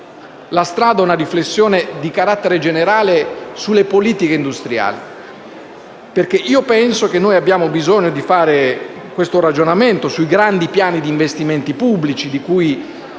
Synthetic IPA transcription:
last̪ɾaːd̪aɛunariflesːjoːned̪ikaɾat̪ːeɾed͡ʒeneɾaːlesulːepoliːt̪ikeind̪ust̪ɾja̰ːli | perk̟eʔiːopɛnsokenːoːjabːjaːmobizoɲːod̪ifaːɾe | kwest̪oɾad͡ʒonament̪osuiɡɾand̪ipjaːnid̪iːɱvest̪iment̪ipubːlit͡ʃid̪ikuj

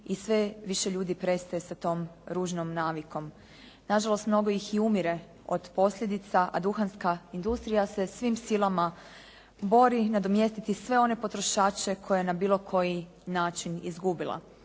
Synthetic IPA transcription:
isʋeʋiʃeʎuːd̪ipɾe̞st̪ajesat̪o̞ːmɾuːʒnomnaːʋiko̞m | naʒalo̞st̪mno̞ɡo̞jixiumiɾe̞ | o̰d̪̥po̞slʎʲed̪it̪saʔad̪uxanskaind̪ust̪ɾijase̞sʋimsilˠama | bo̞ɾinad̪omje̞st̪it̪isʋe̞o̞ne̞po̞t̪ɾo̞ʃaːt͡ʃe̞kʰo̞jenabiːlo̞kʰo̞ji | naːt͡ʃinḭzɡubilˠa̰

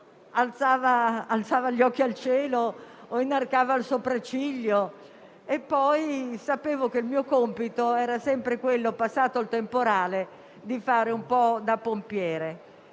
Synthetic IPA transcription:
alt̪saːvaːlt̪saːvaʎːɔk̟ːialt͡ʃɛːlooinːarkaːvaːlsopɾat͡ʃiʎːo | epːɔjsapeːvok̟eilmiːokompit̪oɛːɾasɛmpɾekwelːopasːaːt̪oalt̪empoɾaːle | d̪ifaːɾeumpɔd̪apompjɛːɾe

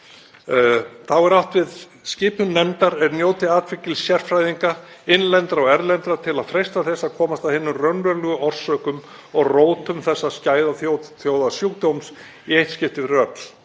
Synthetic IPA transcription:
θawɛɾawht̪vɪð | scɪːpʏmːɛmt̪aɾɛɾnjoːwt̪ɪaːt̪fɪcːɪlsjɛr̥fɾajðiŋka | ɪnlɛnt̪ɾaɔɣɛɾlɛnt̪ɾat̪ʰɪlaðfɾejst̪aθɛsːaðkʰɔːmast̪avhɪnːʏrœnvœlʏɣʏɔr̥sœːkʏm | ɔɣroːwt̪ʏmθɛsːascaːjðaθjoθjowðasjukt̪owms | iejht̪scɪft̪ɪðrœt̪l̥

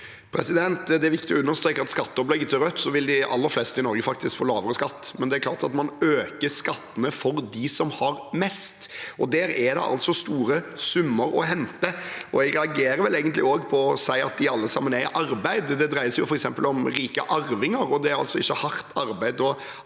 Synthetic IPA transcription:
pʰɾɛsɪd̪ɛnt̪d̪ɛæɾʋɪkt̪ɪɔʉnːəɾst̪ɾeːkːɑt̪skɑt̪ːəɔplɛɡːət̪ʰɪɾœt̪ːsɔʋɪld̪ɪʔɑ̰lːəɾflɛst̪ɪnɔɾɡəfɑk̚t̪ɪskfoːlɑːʋəɾəskɑt̪ːmɛnd̪ɛæɾkʰlɑːt̪ɑt̪mɑnøːkəskɑt̪ːənəfɔɾd̪ɪsɔmhɑɾmɛst̪ʔɔd̪æːɾæd̪ɛ̰ʔɑ̰lt̪sɔst̪uːɾəsʉmːəɾɔ̰ɦɛnt̪əʔɔɛɡɾɛɑɡeːɾəɾʋɛlæɪɡənt̪lɪ̰oːɡpʰɔɔsæɪɑ̰t̪̚d̪ɪɑlːəsɑ̰mːənæʔɑɾbæɪd̪d̪ɛd̪ɾæɪəsjʊ̰fɔɾɛksɛmpəlɔmɾiːkə̰ʔɑɾʋɪŋəɾɔd̪ɛæɾɑlsɔɪçːəhɑɾt̪ʰɑɾbæɪd̪ɔ

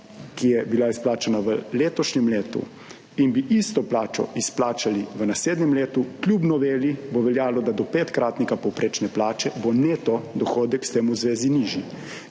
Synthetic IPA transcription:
kijɛbilaisplaːt͡ʃanaʋəleːt̪ɔʃɲɛmleːt̪ṵ | inbiʔist̪ɔplaːt͡ʃɔ̰ʔisplaːt͡ʃaliʋənasleːd̪nɛmleːt̪uklʲjubnɔʋeːlibɔʋɛljaːlɔd̪ad̪ɔpeːt̪kɾaːt̪nikapɔwpɾʔeːt͡ʃnɛplaːt͡ʃɛboneːt̪ɔd̪ɔxoːd̪ɛkst̪eːmuzʋeːziniʒji

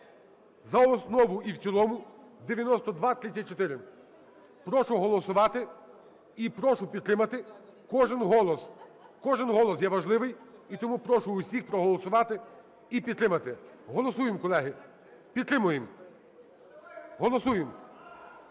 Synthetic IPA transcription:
zɐɔsnɔʋʊiwt͡sʲilˠɔmʊd̪eʋʲjɐnɔst̪ɔd̪ʋɑt̪ɾɪt͡sʲːɐt̚ʲt͡ʃɔt̪ɪɾɪ | pɾɔʃʊɦɔlˠɔsʊʋɑt̪ɪ | ipɾɔʃʊpʲid̪̚t̪ɾɪmɐt̪ɪkɔʒɪnɦɔlˠɔskɔʒɪnɦɔlˠɔs̬jɛʋɐʒlˠɪʋɪjit̪ɔmupɾɔʃʊːsʲixpɾɔɦɔlˠɔsʊʋɑt̪ɪ | ipʲid̪t̪ːɾɪmɐt̪ɪ | ɦɔlˠɔsujɪmkɔlˠɛɦɪ | pʲid̪t̪ːɾɪmʊjɪm | ɦɔlˠɔsujem

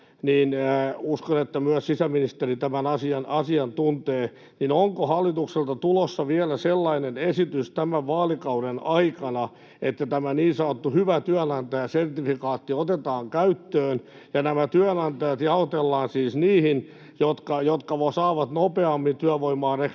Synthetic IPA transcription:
niːnːuskonet̪ːæmyœssisæminist̪erit̪æmænɑsiɑnɑsiɑnt̪unt̪eː | ninoŋkohɑlːit̪ukselt̪ɑt̪ulosːɑʋiælæselːɑinenesit̪yst̪æmæʋʋɑːlikɑuɾenɑikɑnɑ | et̪ːæt̪æmæniːnsɑot̪ːuhyʋæt̪yænɑnt̪ɑjɑsert̪ifikɑːt̪ːiot̪et̪ɑːŋkæyt̪ːøːn | jɑnæmæt̪yænɑnt̪ɑjɑt̪jɑot̪elːɑːnsiːsniːhin | jot̪kɑjot̪kɑʋosɑːʋɑt̪nopeɑmːint̪yæʋoimɑːre

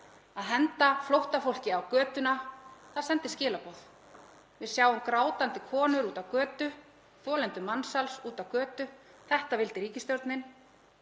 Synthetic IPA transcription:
aðɦɛnt̪aflowht̪afowl̥cɪawkœːt̪ʏnaθað̥sɛnt̪ɪscɪːlapɔð | vɪðsjaːwʏmkɾaːwt̪ant̪ɪkʰɔːnʏɾuːt̪awkœːt̪ʏ | θɔːlɛnt̪ʏmansalsuːt̪awkœːt̪ʏ | θɛht̪avɪlt̪ɪɾiːcɪst̪jowɾt̪nɪn

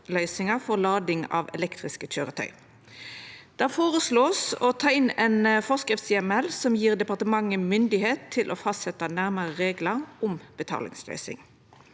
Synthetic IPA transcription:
lœʏsɪŋɑfɔʁlɑːd̪ɪŋɑ̰ːʋɛ̰lɛkt̪ʁɪskəc͡çøːʁət̪ʰœ̰ʏ | d̪̥ɛːfoːʁəsloːsɔt̪ʰɑːɪnɛnəfɔʁskʁɪft̪sɛmɛlsɔmjiːʁd̪ɛpɑʁt̪əmɑŋːəmʏnd̪ɪheːt̪ʰːɪlʔɔːfɑst̪sɛt̪ənæʁməʁəʁeːɡlɑʁʊmb̥ət̪ʰɑ̰ːlɪ̰ŋslœ̰ʏsɪ̰ŋ

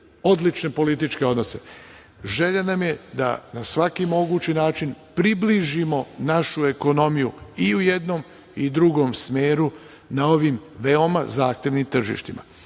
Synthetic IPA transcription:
o̞d̪lit͡ʃne̞po̞lit̪it͡ʃke̞o̞d̪no̞se̞ | ʒe̞ʎanamje̞d̪a̰nasʋakimo̞ɡut͡ɕinaːt͡ʃinpɾibliʒimo̞naʃue̞ko̞no̞mijuiuje̞d̪no̞m | id̪ɾuɡo̞msmeːɾu | nao̞ʋimʋeo̞mazaːxt̪e̞ʋnimt̪r̩ʒḭʃt̪imʔa̰

